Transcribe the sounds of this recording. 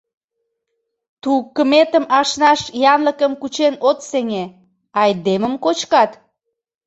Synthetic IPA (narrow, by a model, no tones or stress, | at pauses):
t̪ukːəmet̪əmɑʃnɑʃjɑnləkəmkut͡ɕenot̪seŋe | ɑjd̪eməmkot͡ɕkɑt̪